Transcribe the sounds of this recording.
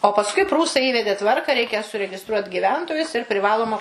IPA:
oː pɐsˈkʊɪ ˈpruːsɐɪ ˈiːʋʲɛdʲeː ˈtʋɐrkɐ ˈrʲɛɪkʲɛ sʊrʲɛɡʲɪˈstruɔtʲ ɡʲiːˈʋʲɛntoːjʊs ɪr pʲrʲɪˈʋɑːlˠoːmɐ

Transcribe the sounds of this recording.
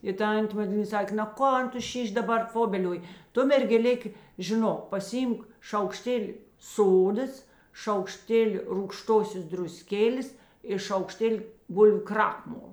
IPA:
ɪ ˈtɐnʲtʲeː mɐˈdʲlʲiːnɐ ˈsɑːkʲeː nɐ ˈkoːn ˈtʊ ˈʃʲiːʃʲ dɐˈbɐr ˈfoːbʲɛlʲoːj ˈtʊ mʲɛrʲɡʲɛˈlʲeːk ʒʲɪˈnoːk pɐsʲɪˈiːmk ʃɐʊkˈʃʲtʲeːlʲɪ ˈsoːdɐs ʃɐʊkˈʃʲtʲeːlʲɪ ruːkˈʃtoːsʲoːs drʊˈsʲkʲeːlʲeːs ɪ ʃɐʊkˈʃʲtʲeːlʲɪ ˈbʊlʲʋʲʊ ˈkrɑːkmoːlˠ

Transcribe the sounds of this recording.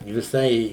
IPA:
ʋʲɪˈsɐɪ

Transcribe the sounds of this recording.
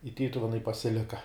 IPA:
ɪ ˈtʲiːtʊʋʲɛnɐɪ pɐsʲɪˈlʲɪkɐ

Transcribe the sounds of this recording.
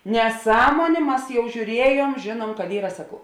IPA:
nʲɛˈsɑːmoːnʲeː ˈmɐs jɛʊ ʒʲuːˈrʲiɛjuɔm ˈʒʲeːnuɔm kɐt ˈiːrɐ ˈsɑːkɐʊ

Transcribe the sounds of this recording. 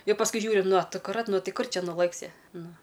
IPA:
ˈjɛʊ pɐsˈkʊɪ ˈʒʲuːrʲɪ nʊ ɐ ɐkʊˈrɐt ˈnʊ ˈtʲɪ ˈkʊr ˈt͡ʃʲɛ nʊˈlˠɘksʲɪ ˈnʊ

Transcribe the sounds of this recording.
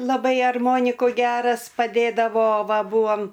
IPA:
lˠɐˈbɐɪ ɐrˈmoːnʲɪkʊ ˈɡʲæːrɐs pɐˈdʲeːdɐʋoː ˈʋɐ ˈbuːɐm

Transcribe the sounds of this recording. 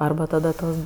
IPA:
ˈɐrbɐ tɐdɐ ˈtoːs

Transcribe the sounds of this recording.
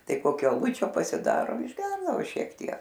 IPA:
ˈtɐɪ ˈkoːkʲoː ɐˈlˠʊt͡ʃʲoː pɐsʲɪˈdɑːroː ɪʒʲˈɡʲɛrdɐʋoː ˈʃʲiɛk ˈtʲiɛk

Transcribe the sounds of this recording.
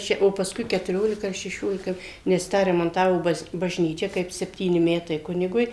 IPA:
ˈt͡ʃʲɛ oː pɐˈskʊɪ kʲɛtʊˈrʲoːlʲɪkɐ ɐr ʃʲɛˈʃʲoːlʲɪkɐ nʲɛs ˈtɑː rʲɛmɐnˈtɑːʋoː ˈbɐs bɐʒʲˈnʲiːt͡ʃʲɛ kɐɪp sʲɛpʲˈtʲiːnʲɪ ˈmʲæːtɐɪ ˈkʊnʲɪɡʊɪ

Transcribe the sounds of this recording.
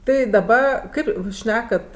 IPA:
ˈtɐɪ dɐˈbɐ ˈkɐɪp ˈjuːs ˈʃʲnʲæːkɐt

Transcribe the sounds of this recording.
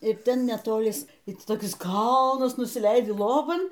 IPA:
ɪ ˈtʲɛn nʲɛtoːˈlʲɪs ɪ ˈtʲɪ toːˈkʲɪs ˈkɐlˠnɐs nʊsʲɪˈlʲɛɪdʲɪ ˈlˠoːbɐn

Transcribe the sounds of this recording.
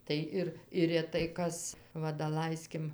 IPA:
tɐɪ ˈɪr ɪr rʲɛˈtɐɪ ˈkɐs ˈʋɐ dɐˈlˠɐɪsʲkʲɪm

